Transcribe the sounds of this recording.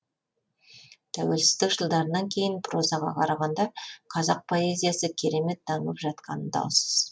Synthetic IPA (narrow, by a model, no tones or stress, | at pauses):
t̪ʰæwe̞lsɪ̥zd̪ɪkʒəlˠd̪ɑɾənɑŋkʲʰe̞jɪnpʰro̞zɑʁɑ̰qʰɑɾɑʁɑnd̪ɑqʰɑzɑq̚pʰo̞e̞zʲijasəkʲʰe̞ɾe̞me̞t̪̚d̪ɑɴəəpʒɑt̪̚qɑ̰nənd̪ɑ̰w̪ˠsə̥z̥